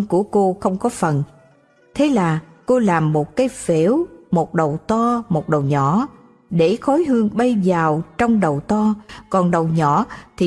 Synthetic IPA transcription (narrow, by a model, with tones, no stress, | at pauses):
ŋku˧˩əko˧xə˧wŋ͡mkɔ˨˦fə˨˩n | t̪ʰe˨˦laː˨˩ | ko˧laː˨˩mːo˨˩t̚kaː˨˦jfi˧˩˦wmo˨˩t̚ɗə˨˩wt̪ɔ˧mo˨˩t̚ɗə˨˩wɲɔ̰˧˩˥ | ɗe˧˩xɔ˨˦jɦɨ˧əŋɓə˧jzaː˨˩wt͡ɕɔ˧wŋ͡mɗə˨˩wt̪ɔ˧kɔ˨˩nɗə˨˩wɲɔ˧˥t̪ʰi˨˩